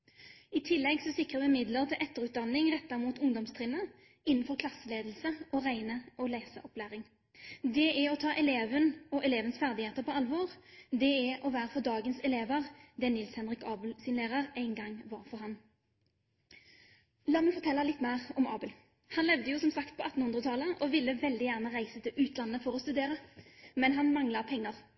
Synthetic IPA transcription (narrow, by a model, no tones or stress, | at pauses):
ɪt̪ʰɪlːɛɡsɔsɪkʁəʋɛmɪd̪ləʁt̪ʰɪlʔɛt̪ːəʁʉːt̪̚d̪ɑnːɪŋʁɛt̪ːɑmuːt̪ʊŋd̪ɔmst̪ʰʁɪnːə | ɪnːn̩fɔʁkʰlɑsːəleːd̪l̩səɔʁæɪnəʔɔlæɪsə̰ʔɔplæːʁɪŋ | d̪ɛæɔt̪ʰɑːʔɛleːʋənɔʔɛleːʋənsfæʁd̪ɪheːt̪əʁpʰɔɑlʋɔʁd̪ɛɛʔɔʋæːʁəfɔʁd̪ɑːɡənsɛleːʋəʁd̪ɛnɪlshɛnʁɪkɑːbəlsɪnleːʁəʁæɪnɡɑŋːʋɑʁfɔɾɦɑn | lɑːməʉfɔʁt̪ʰɛlːəlɪt̪ːmæːʁɔmɑːbəl | hɑnlɛʋd̪əjʊsɔmsɑkt̪̚pʰɔɑt̪ːn̩hʉnd̪ʁət̪ʰɑləʔɔʋɪlːəʋɛld̪ɪjæʁnəʁæɪsət̪ʰɪlʉːt̪lɑnːəfɔʁɔst̪ʉd̪eːʁəmɛnɦɑnmɑŋlɑpʰɛŋːəʁ